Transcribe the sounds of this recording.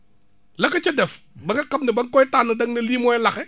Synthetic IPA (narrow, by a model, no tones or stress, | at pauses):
lɐkɐt͡ʃɛdɛfbɐŋɡɐkɐmnɪbɐŋkɔitanɐdɐŋnɐliːmɔɛlaxɛ